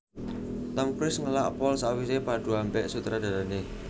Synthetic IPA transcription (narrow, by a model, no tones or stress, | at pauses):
t̪əmpɾɪsŋəlaʔpɔlsawisepad̪̥ṳampɛʔsut̪ɾad̪a̤lane